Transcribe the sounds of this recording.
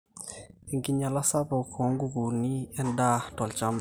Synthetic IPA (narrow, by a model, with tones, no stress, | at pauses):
ɛ˨ŋɡi˦ɲa˨la˦sa˦pɔ˨kʰɔ˨˦ŋɡu˦ku˨ni˦ɛ˦nda˦tɔ˨lt͡ʃa˦m